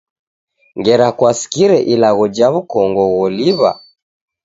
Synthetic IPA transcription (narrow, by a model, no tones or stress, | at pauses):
ŋɡɛɾakwasi̥kiɾɛʔilaɣɔd͡ʒaβukɔŋɡɔɣɔliβa̰